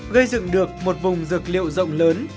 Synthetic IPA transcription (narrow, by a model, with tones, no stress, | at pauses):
ɣə˧jzɨ̰˧˨ŋɗɨ˨˩ək̚mo˨˩t̚vʊ˨˩ŋ͡mzɨ˨˩k̚lḭ˧˨əwzə̰˧˨wŋ͡mləː˨˦n